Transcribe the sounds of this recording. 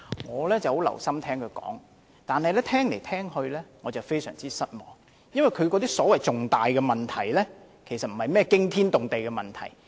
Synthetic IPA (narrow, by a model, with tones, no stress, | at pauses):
ŋɔː˨˧lɛː˥t͡sɐ˨who˨˥wlɐ̰˨˩wsɐ˥mt̪ʰɛː˥ŋkʰɵ˨˧ɥkɔ̰ː˨˥ŋ | t̪aː˨nhɐ˨jlɛː˥t̪ʰɛː˥ŋle˨˩jt̪ʰɛː˥ŋhɵ˧ɥlɛː˥ŋɔː˨˧t͡sɐ˨wfe˥jsœ̰ː˨˩ŋt͡siː˥sɐ˥t̚mɔː˨ŋ | jɐ˥nwɐ˨jkʰɵ˨˧ɥkɔː˨˧˥t̪iː˥sɔː˨˥wɐ˨jt͡sʊ˨ŋt̪aː˨jkɛː˧mɐ˨˩nt̪ʰɐ˨˩jlɛː˥ | kʰe˨˩jsɐ˨t̚m̩˨˩hɐ˨jmɛː˥kɪ˥ŋt̪ʰiː˥nt̪ʊ˨ŋt̪e˨jkɛ˧mɐ˨˩nt̪ʰɐ̰˨˩j